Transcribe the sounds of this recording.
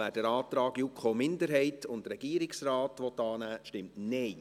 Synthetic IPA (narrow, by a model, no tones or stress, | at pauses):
æːd̥əɾɑːt̪ɾɑːɡjukχomɪndəɾɦɛɪtʰʊntɾɛɡ̥iːɾɪksrɑːtʋɔt̪ːɑːnæːʃtɪmtnɛ